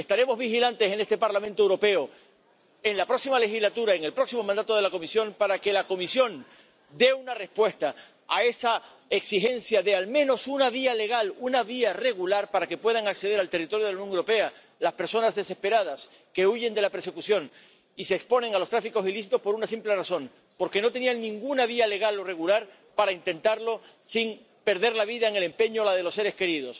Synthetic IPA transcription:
est̪aɾe̞mo̞zβixilant̪e̞se̞ne̞st̪e̞paɾlamẽnt̪oewɾo̞pe̞o | eŋlapɾo̞ksimale̞xizlat̪uɾaeŋe̞lpɾo̞ksimo̞mãnd̪at̪o̞ð̞elako̞misjo̞npaɾake̞lako̞misjo̞n | d̪e̞unare̞spwe̞st̪aː | e̞sa | eksixe̞nsjaðe̞almẽ̞no̞sunaβ̞iale̞ɣalunaβ̞iare̞ɣulaɾpaɾake̞pwe̞ðaŋakse̞ðeɾalt̪e̞rit̪oɾjolaunjo̞ŋewɾope̞a | laspe̞ɾso̞nazðe̞se̞spe̞ɾað̞as | ke̞uʝe̞nd̪e̞lape̞ɾse̞kusjo̞ŋ | iseːkspo̞nẽ̞ŋalost̪ɾafiko̞siliθit̪ospo̞ɾunasimple̞raso̞ŋ | po̞ɾke̞no̞t̪e̞niaŋnĩŋɡunaβ̞iale̞ɣ̞alo̞re̞ɣulaɾ | paɾaint̪ẽ̞nt̪aɾlo̞ | siŋ | pe̞ɾðe̞ɾlaβ̞iðaeŋe̞le̞mpe̞ɲolað̞elo̞sːe̞ɾe̞ske̞ɾið̞o̞s

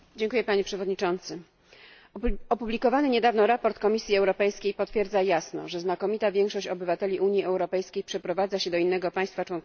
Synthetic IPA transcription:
d͡ʑɛŋkujɛpaɲɛpʂɛvɔd̪ɲit͡ʂɔnt̪sɘ | ɔpublʲikɔvanɘɲɛd̪avnɔɾapɔɾt̪kɔmʲisʲjiɛwɾɔpɛjskʲejpɔt̪fʲjɛɾd̪zajasnɔ̰ʐɛznakɔmʲit̪avʲjɛŋkʂɔɕt͡ɕɔbɘvat̪ɛlʲiʔuɲjiɛwɾɔpɛjskʲejpʂɛpɾɔvad̪zaɕɛd̪ɔinːɛɡɔpaj̃st̪fat͡ʂwɔnk

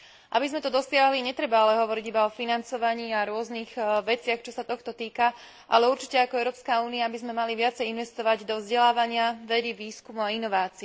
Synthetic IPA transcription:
ʔa̰bizmɛt̪ɔd̪ɔsɪaɦliɲɛt̪ɾɛbaalɛɦɔʋɔɾiɟibaɔfinant͡sɔʋaɲiːaɾʊɔzniɣʋɛt͡sɪaxt͡ʃɔsat̪ɔxt̪ɔt̪iːka | ʔa̰lɛuɾt͡ʃi̥cɛakɔɛʊɾɔːpskauːniabizmɛmaliʋɪat͡sɛjinʋɛst̪ɔʋaɟd̪ɔvzɟɛlaːʋaɲɪaʋɛd̪iʋiːskumuainɔʋaːt͡si

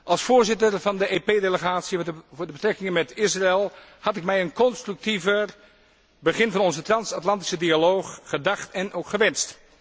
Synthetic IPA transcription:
ʔɑlˠsfʊːɹzɪtərvɑndəʔeːpeːdeləχaːtsivʊːɹdəbətrɛkɪŋənmɛtɪsraɛlˠhɑtɪkmɛjənkɔnstryk̚tivər | bəχɪnvɑnɔnzətrɑnsatlɑnti̥sədialoːxːədɑχtɛnʔoːkχəʋɛnst

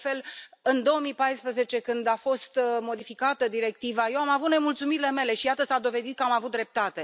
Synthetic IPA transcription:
fe̞lɨnd̪o̞omipajspɾəze̞t͡ʃe̞kɨnd̪afo̞st̪mo̞d̪ifikat̪əd̪iɾe̞k̚t̪ivaje̞wamavut̪ne̞mult̪sumiɾile̞me̞le̞ʃijat̪əsad̪o̞ve̞d̪it̪̚kəamavut̪̚d̪ɾe̞p̚t̪at̪e̞

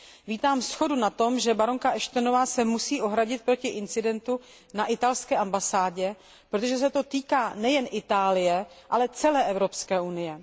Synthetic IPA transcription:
viːt̪aːmfsxo̞dunat̪o̞mʒɛbaɾoŋkaʔɛʃt̪ono̞vaːsɛmusiːʔo̞ɦɾaɟɪt̪̚pɾo̞cɪʔɪnt͡sɪdɛnt̪u | naʔɪt̪alskɛːʔambasaːɟɛ | pɾot̪o̞ʒɛs̬ɛt̪o̞t̪iːkaːnɛjɛnʔɪt̪aːlɪjɛ | ʔalɛt͡sɛlɛːʔɛvɾo̞pskɛːunɪjɛ

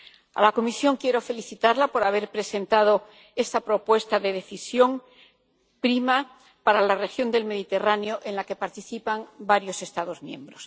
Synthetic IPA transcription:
a̰lako̞misjo̞ŋkje̞ɾo̞fe̞liθit̪aɾlapo̞ɾaβ̞e̞ɾpɾe̞se̞nt̪að̞o | e̞st̪apɾo̞pwe̞st̪aðe̞ð̞e̞θisjo̞ŋ | pɾima | paɾalare̞xjo̞nd̪e̞lme̞ðit̪e̞ranjoʔe̞nlake̞paɾt̪iθipaŋbaɾjo̞se̞st̪að̞o̞zmjẽ̞̰mbɾo̞s

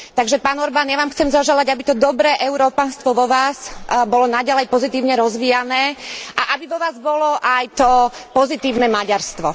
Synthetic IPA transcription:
t̪aɡʒɛpaːnɔɾbaːnjaʋaːmxt͡sɛmzɔʒɛlaɟabit̪ɔd̪ɔbɾɛːʔɛʊɾɔːpanst̪ʋɔʋɔʋaːsbɔlɔnaɟalɛjpɔzit̪iːʊɲɛɾɔzʋiːjanɛːʔaʔabiʋɔʋaːzbɔlɔʔajt̪ɔpɔzit̪iːʊnɛːmaɟaɾst̪ʋɔ

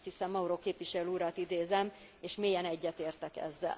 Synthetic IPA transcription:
t̪hisɛmːɒuɾoːkeːpʋiʃɛløuɾɒt̪id̪eːzɛm | eːʃmeːjɛnɛɟːɛt̪eːrt̪ɛkɛ̰zːɛ̰l

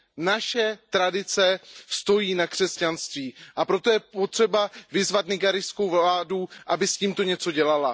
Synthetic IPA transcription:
naʃɛt̪ɾadɪt͡sɛst̪o̞jiːnakr̝̥ɛscanst̪viːʔapɾo̞t̪o̞jɛpo̞t̪r̝̥ɛbavɪzvat̪nɪɡaɾɪsko̞wvlaːduʔabɪsciːmt̪o̞ɲɛt͡so̞ɟɛlala

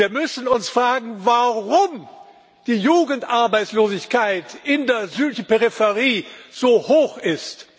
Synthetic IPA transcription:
iːɐmʏsn̩ʊnsfʁ̥aːɡŋ̩vaʁʊm | d̥iːjuːɡn̩tʔaɐbaɪt͡sloːzɪçkaɪtʔɪndeːɐzyːtlɪçn̩peʁifɛʁiːz̥oːhoːxɪst

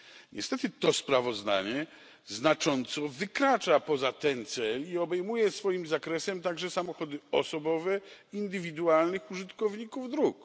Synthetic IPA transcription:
ɲʔɛ̰st̪ɛt̪ɘt̪ɔspɾavɔzd̪a̰ɲɛ | znat͡ʂɔnt̪sɔvɘkɾat͡ʂapɔzat̪ɛnt̪sɛliɔbɛjmujɛsfɔjimzakɾɛsɛmt̪aɡʐɛsamɔxɔd̪ɘɔ̰sɔbɔvɛind̪ɘvʲid̪ualnɘxuʐɘt̪kɔvɲikuvd̪ɾuk

